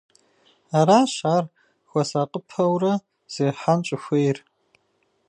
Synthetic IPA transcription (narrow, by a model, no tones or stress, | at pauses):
aːɾaːɕaːr | xʷɔsaqʼəpʰɐwrɐ | z̥eːħant͡ʃʼɪxʷejr